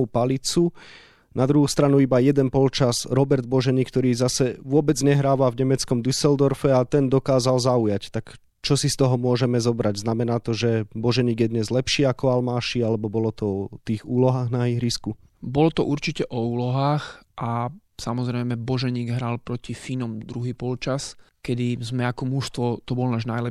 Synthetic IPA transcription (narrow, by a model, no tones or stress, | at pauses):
upalit͡su | nad̪ɾuɦuːst̪ɾanuibajɛd̪ɛnpɔlt͡ʃazɾɔbɛɾd̪̚bɔʒɛɲiːkt̪ɔɾiːzasɛʋʊɔbɛd͡zɲɛɦɾaːʋavɲɛmɛt͡skɔmd̪usɛld̪ɔɾfɛat̪ɛnd̪ɔkaːzalzaujact̪ak | t͡ʃɔsist̪ɔɦɔmʊɔʒɛmɛzɔbɾaɟznamɛnaːt̪ɔʒɛbɔʒɛɲiːɡjɛd̪ɲɛzlɛpʃiːakɔalmaːʃialɛbɔbɔlɔt̪ɔɔt̪iːɣuːlɔɦaːɣnaiɣɾisku | bɔlɔt̪ɔʔuɾt͡ʃicɛʔɔuːlɔɦaːxʔasamɔzɾɛɪmɛbɔʒɛɲiːɡɦɾalpɾɔcifinɔmd̪ɾuɦiːpɔlt͡ʃaskɛd̪izmɛakɔmuʃst̪ʋɔt̪ɔbɔlnaːʒnajlɛ